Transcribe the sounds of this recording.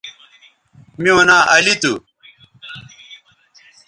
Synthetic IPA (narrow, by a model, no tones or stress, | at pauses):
miwɐnãːʔɐlit̪u